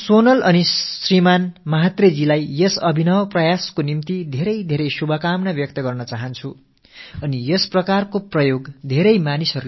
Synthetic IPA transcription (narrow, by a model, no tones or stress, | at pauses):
sonʌlʔʌnisrimanmʌɦat̪red͡zilajjʌsʌbʱinʌwprʌjaskonimt̪id̪ʱeɾʌjd̪ʱeɾʌjsubʱʌkamnʌbjʌk̚t̪ʌɡʌrnʌt͡saɦʌnt͡sʰu | ʌnijʌsprʌkarkoprʌjoɡd̪ʱeɾʌjmanisʌɾu